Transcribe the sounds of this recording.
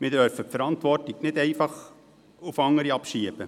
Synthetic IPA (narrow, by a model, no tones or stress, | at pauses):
mɪdœɾfəpfəɾɑntʋɔrtiɡnɪdɛɪfɑχ | ufɑŋːəɾiɑpʃiəb̥ə